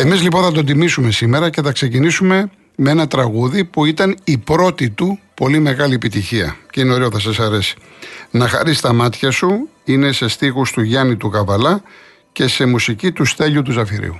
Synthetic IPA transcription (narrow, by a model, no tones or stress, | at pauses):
e̞mizlipo̞nθɐt̪o̞t̪̬imisume̞sime̞ɾɐce̞θɐkse̞cinisume̞ | mee̞nɐt̪ɾɐɣuðipuit̪ɐnipɾo̞t̪it̪upo̞lime̞ɣɐliepit̪içiɐ̰ceineo̞ɾeoθɐs̬ɐsɐɾe̞si̥nɐxɐ̰ɾist̪ɐmɐt̪çɐsuine̞se̞st̪ixust̪uʝɐnit̪uɣɐvɐlɐ | ce̞se̞musicit̪ust̪e̞ʎut̪uzɐfiɾḭu